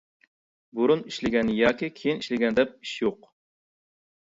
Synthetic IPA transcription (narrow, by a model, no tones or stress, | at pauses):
buɾuniʃlɪɡʲɛnjɑːkʲikʲʰejiniʃlɪɡʲɛnd̪ɛp̚i̥ʃjoq